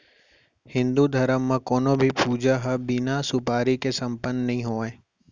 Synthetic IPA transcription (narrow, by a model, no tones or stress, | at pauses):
hɪ̃nd̪ud̪ʱɐɾəmːãkoːnõbʱipuːd͡ʒaɦɐbinasʊpaːɾikesɐ̃mpənnɐɦĩɦoːaẽː